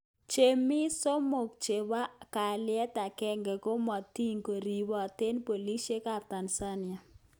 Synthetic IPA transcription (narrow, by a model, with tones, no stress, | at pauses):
t͡ʃe˨mɪ˦so˦mo˨k̚t͡ʃe˨wa˦ka˨lɪ˦ɛ˦ta˨kɛ˦ŋɡɛ˨ko˦mɔ˨ti˦ŋko˨ɾi˨wɔ˨te˦npo˨li˦ʃe˦ka˦˨p̚ta˨nsa˦nɪ˨a˨